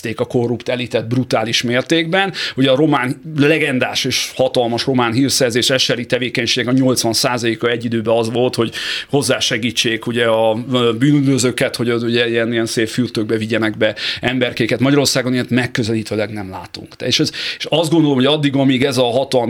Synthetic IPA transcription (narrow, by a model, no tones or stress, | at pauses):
t̪eːkɒko̞rːupt̪ɛliːt̪ɛt̪̚brut̪aːliʃmeːrt̪eːɡbɛnuɟɛɒɾo̞maːnlɛɡɛnd̪aːʃeːʃhɒt̪ɒlmɒʃro̞maːnɦiːrsɛrzeːʃɛʃɛɾit̪ɛveːkɛɲʃeːɡnɛkɒɲo̞lt̪sʋɒnsaːzɒleːkɒɛɟːid̪øːbɛɒzʋo̞lt̪ho̞ɟho̞zːaːʃɛɡiːt͡ʃːeːkuɟɛɒbyːnyd̪vøzøkɛt̪ho̞ɟod̪uɟɛiɛnijɛnseːffyrt̪øɡ̚bɛviɟɛnɛɡbɛɛmbɛrkeːkɛt̪mɒɟɒɾo̞rsaːɡo̞niɛnt̪mɛkːøzɛliːt̪øːlɛɡnɛmla̰ːt̪ṵŋkt̪ɛeʃɛzeʃɒzd̪ɡo̞nd̪olomhoɒd̪ːiɡɒmiːɡɛzɒɦɒt̪ɒl